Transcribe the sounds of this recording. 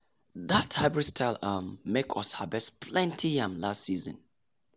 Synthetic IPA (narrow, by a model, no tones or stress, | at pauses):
ðatʰaɪbɹɛd̥stʰaɪlamːekʰɔshabɛspʰlɛ̃ntʰijãmlastsiːzə̰̃n